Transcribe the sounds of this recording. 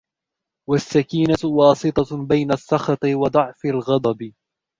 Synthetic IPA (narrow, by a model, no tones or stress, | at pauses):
wasːakiːnawɑːsɨt̪ˤɑbajnasːɑxɑt̪ˤɨwɑd̪ˤɑʕfalɣɑd̪ˤɑbɪ